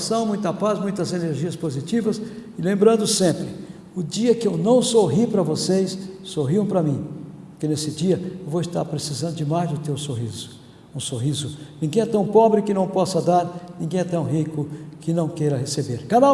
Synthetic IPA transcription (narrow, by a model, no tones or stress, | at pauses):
sɐ̃w̃mũj̃t̪ɐpazmũj̃t̪ɐzeneɾʒiɐspozit͡ʃivɐsɪlẽmbɾɐ̃nd̪ʊsẽmpɾɪ | ʊd͡ʒiɐkɪewnɐ̃w̃soɦipɾɐvosejsːoɦiɐ̃w̃pɾɐmĩpoɾkenesɪd͡ʒiɐewvoɪst̪a̰ɾpɾesizɐ̃nd̪ʊd͡ʒɪmajzd͡ʒʊt̪ewsoɦizʊ̥ | ũsoɦizʊnĩɡẽj̃ɛt̪ɐ̃w̃pɔbɾɪkɪnɐ̃w̃pɔsɐd̪aɾnĩɡẽj̃ɛt̪ɐ̃w̃ɦikʊkɪnɐ̃w̃kejɾɐhesebeɾkaɾa